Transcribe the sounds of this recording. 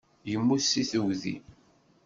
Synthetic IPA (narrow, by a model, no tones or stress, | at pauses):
jəmːusːiθəwðḭ